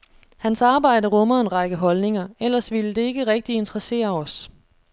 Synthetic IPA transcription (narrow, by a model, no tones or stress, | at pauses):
hænsɑ̈ːb̥ɑ̈ɪ̰dəʁɔ̽mɐe̝nʁɑ̈ɡ̥əɦɒ̽lne̝ŋɐel̰ɐsʋiləd̥e̝e̝ɡ̥əʁɛɡ̥̚d̥ie̝nd̥ʁɐse̝̰ːɐɒ̽s